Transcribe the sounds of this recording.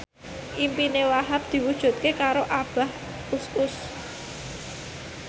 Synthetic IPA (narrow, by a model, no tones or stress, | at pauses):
ʔimpinewaɦap̚d̪̥i̤wud̥ʒ̥ṳt̪̚kekaɾoʔab̥a̤h | usʊs